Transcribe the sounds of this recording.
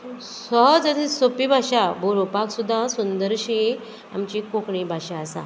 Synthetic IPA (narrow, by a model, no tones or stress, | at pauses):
sɔɦd͡zəd̪isopibʱaʂabʱoɾopaksud̪ʱːãsund̪əɾɕi | a̰mt͡ɕikokɳĩbʱaʂaːsa̰